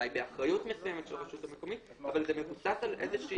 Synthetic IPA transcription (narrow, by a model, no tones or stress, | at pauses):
ajbeaχʁajutmesujemetʃelʁaʃut̪ameko̞mit̪avalzemevusasalʔḛzeʃi